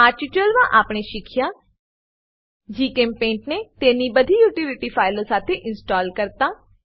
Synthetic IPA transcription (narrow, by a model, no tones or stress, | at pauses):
ət͡ʃt͡ʃəlʋãːʔaːpɳeːʃɪkʰɪjaː | d͡ʒiːkẽːmpẽːɳʈneːt̪eːniːbəd̪ʱiːjuːʈɪlɪʈiːpʰaːɪləɾsaːt̪ʰeːʔɪnsʈɔːlkəɾt̪aː